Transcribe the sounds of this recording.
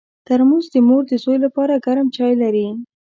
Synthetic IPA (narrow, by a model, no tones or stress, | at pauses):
t̪aɾmuzd̪əmoɾd̪əsojlapɑɾaɡaɾamt͡ʃɑjlaɾi